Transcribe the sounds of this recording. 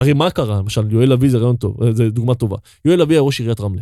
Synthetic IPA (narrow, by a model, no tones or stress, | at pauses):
aʁemakaʁalemaʃaljoelavizeʁaːjo̞nt̪o̞̰vzed̪uɡmat̪o̞va̰ | joelaviaʁoʃiʁijat̪ʁamli